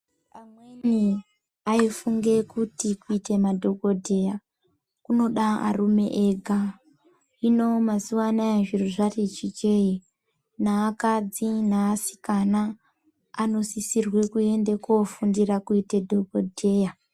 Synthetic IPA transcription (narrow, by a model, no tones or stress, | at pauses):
amweni | aifuŋɡe̞kutikuite̞madʱo̞ɡʱo̞dʱe̞ja | kuno̞ɗaa̰rume̞̰ʔeɡʱa | ino̞masuʋanaeʐiruʐaret͡ʃit͡ʃe̞i | naːkad͡zinaːsi̥kanaː | no̞sisirwe̞kue̞nde̞kofundirakuite̞dʱoɡʱodʱe̞ja